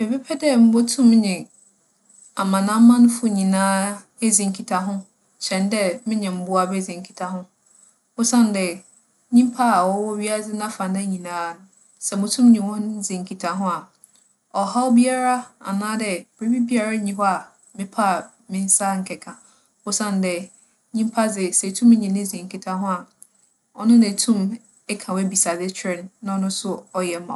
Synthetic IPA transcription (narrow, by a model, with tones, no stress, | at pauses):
mɪ˨pɛ˦pʰɛ˦dɛ˦m̩˦bo˦tʰũ˦mː˦ɲɪ̃˨ | a˨mã˨nã˦mã˦nʊ̃˦fʊ˦˨ɲĩ˨nãː˦ | e˦d͡zĩ˨ŋ̩˨kʰi˨tʰa˨ɦʊ̃˦ | ɕɛ̃˨ndɛ˦mɪ̃˦ɲɛ̃˨m̩˦bʊ˦a˨bɛ˦d͡zĩ˨ŋ̩˨kʰi̥˨tʰa˨ɦʊ̃˦ | ʊ˦sã˦ndɛ˨ | ɲĩ˦m˦pʰa˦˨wɔ˦wɔ˦ɥi˦a˦d͡zɪ˦nã˦fã˨na˦ɲĩ˨nãː˦ | sɛ˨mʊ̃˨tʰũ˦m˦ɲĩ˨wɔ̃˦d͡zĩ˨ŋ˨kʰi˨tʰa˨ɦʊ̃˦a˨ | ɔ˨ha˦ɔ˦bi˦a˦ɾa˦a̰˨nãː˦dɛ˨b̥ɾe˦bi˦bi˦a˨ɾa˦ɲĩ˨ɦɔ˦a˨ | mɪ̃˦pʰa˦˨ | mɪ̃˦n̩˦sa˦ŋ̩˨kʰɛ˨kʰã˨ | ʊ˦sã˦ndɛ˨ | ɲĩ˦m˦pʰa˦d͡zɪ˨sɛ˨tʰũ˦m˦ɲĩ˨nɪ̃˦d͡zĩ˨ŋ̩˨kʰi˨tʰa˨ɦʊ̃˦a˨ | ɔ̰˦nʊ̃˦næ̃˨tʰũ˦m | ɛ˦kʰã˨wæ˦bi˨sa˨dɪ˦t͡ɕʰᶣɾɪ˦˨nː˦ã˦ɔ˨˦nʊ̃˦sʊ˦ɔ˨jɛ˨˦mã̰˨